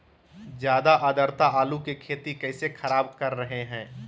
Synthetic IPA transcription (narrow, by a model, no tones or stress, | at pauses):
d͡ʒjaːd̪aʔaːd̪əɾt̪aaːlukekʰeːt̪ikɛːsexʰɐɾaːbkɐɾːɐɦeɦɛ̃ː